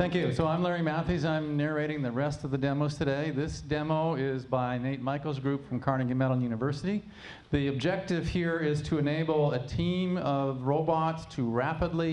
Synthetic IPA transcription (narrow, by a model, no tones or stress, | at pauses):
θæ̃ŋkjʉsoʊãɪ̃mlɛɹimæθizãɪ̃mnɛɹeɪɾɪ̃ŋðɨɹɛstʌvðɨdɛmoʊz̥tʰɨdeɪðɪsd̥ɛmoʊɪzbaɪnẽɪ̃n̚maɪkl̩ˠzɡɹʉpfɹʌ̃mkʰɑɹnɨ̃ɡɨ̃mɛɾl̩ˠjʉñɨvɜ˞sɨɾi | ðiɨb̚d͡ʒɛk̚tɨv̥hiɹɪz̥tʰɨɨneɪbl̩ˠɨtʰĩmʌvɹoʊbɑtstʰɨɹæpədˡli